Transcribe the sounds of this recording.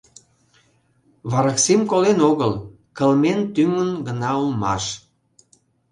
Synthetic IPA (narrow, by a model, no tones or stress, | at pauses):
βɑɾəksimkolenoɣəl | kə̆lment̪ymənɡənɑulmɑ̰ʃ